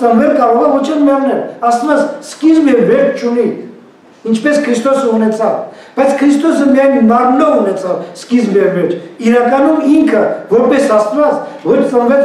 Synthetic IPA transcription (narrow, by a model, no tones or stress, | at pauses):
t̪ənvɛlkɑɾɔʁɑvɔt͡ʃʰɛnmɑʁnɛɾɑst̪vɑt͡sskizmɛɾmɛɾt͡ʃt͡ʃʰuni | int͡ʃʰpɛskʰɾist̪ɔsəunɛt͡sʰɑv | b̥ɑjt͡sʰkʰɾist̪ɔsəmijɑjnmɑɾnɔvunɛt͡sʰɑvskizmɛɾvɛɾt͡ʃʰiɾɑkɑnumiŋkʰəvɔɾpɛsɑst̪vɑt͡svɔɾʰt͡s̪ənvɛl